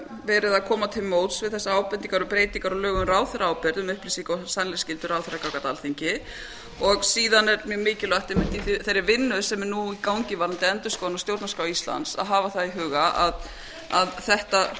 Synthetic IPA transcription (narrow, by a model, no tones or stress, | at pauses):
vɛːɾɪðaðkʰɔːmat̪ʰɪlmoːwt̪svɪðθɛsːaaːwpɛniŋkaɾʏpɾeːjt̪iŋkaɾɔlœːɣʏmraːwθʏɾaːwpɛɾðʏmʏhplɪsiŋkɔsanlɛscɪlt̪ʏɾaːwθʏɾakawkat̪a̰lθiɲcɪ | ɔɣsiːðanɛɾmjœːmɪːcɪlaht̪ehmɪnt̪iθɪθejɾːɪvɪnːʏsɛmɛnuikawɲcɪvaɾant̪ɪɛnt̪ʏskɔːðanɔst̪jowt̪naskawist̪la̰nt̪sa̰ðɦaːvaθaðiɦʏːɣaʔa̰ð | aðθɛht̪a